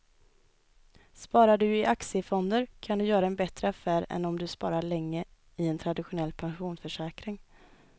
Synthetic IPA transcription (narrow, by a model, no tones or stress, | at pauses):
spɑːɾaɖɵɪʔaksɪəfɔnd̪əɾkʰand̪ɵjœːɾaɛnbɛt̪ɾəafæːɾɛ̰nɔmd̪ɵspɑ̰ːɾaɭɛŋːə | ɪɛnt̪ʰɾad̪ɪɧʊnɛlːpʰanɧuːnsfœʂɛːkɾɪŋ